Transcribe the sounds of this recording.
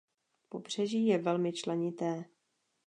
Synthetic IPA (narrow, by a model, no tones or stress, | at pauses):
po̞br̝̥ɛʒiːjɛvɛlmɪt͡ʃlɛɲɪt̪ɛː